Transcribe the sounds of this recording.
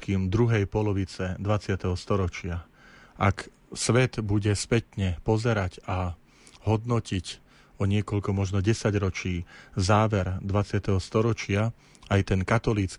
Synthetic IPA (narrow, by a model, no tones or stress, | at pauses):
kiːmd̪ɾuɦɛjpɔlɔʋit͡sɛd̪ʋat͡sɪat̪ɛɦɔst̪ɔɾɔt͡ʃɪa | ʔak | sʋɛd̪buɟɛspɛt̪ɲɛpɔzɛɾaɟa | ɦɔd̪nɔcic | ɔɲɪɛkɔʎkɔmɔʒnɔɟɛsaɟɾɔt͡ʃiːzaːʋɛɾd̪ʋat͡sɪat̪ɛɦɔst̪ɔɾɔt͡ʃɪa | ajt̪ɛnkat̪ɔlit͡s